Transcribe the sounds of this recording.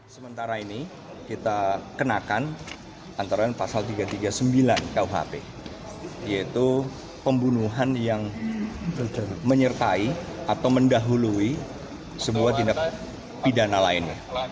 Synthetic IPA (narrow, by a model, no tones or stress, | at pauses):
səmənt̪aɾaini | kit̪akənakan | ant̪aɾaɲapasalt̪iɡat̪iɡasəmbilankauɦa̰pḛ | ijait̪u | pəmbunuɦanjaŋ | məɲərt̪aiat̪awməndaɦului | səbuat̪indak̚ | pidanalaɪnɲa̰